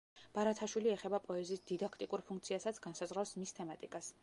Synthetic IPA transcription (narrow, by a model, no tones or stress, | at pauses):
b̥aɾat̪ʰaʃwiliɛχɛbapʼɔɛziːsd̪id̪akʰt̪ʼikʼuɾpʰuŋkt̪sʰiasat̪sʰɡansazʁɾasmist̪ʰɛmat̪ʼikʼas